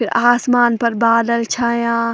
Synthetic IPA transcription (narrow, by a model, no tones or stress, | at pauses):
ɪɾaːsmaːnpɐɾbaːd̪əlt͡ʃʰajãː